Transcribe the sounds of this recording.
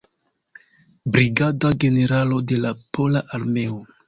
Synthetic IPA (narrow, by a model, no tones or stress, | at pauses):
bɾiɡadaɡe̞ne̞ɾalo̞de̞lapʰo̞laʔaɾme̞o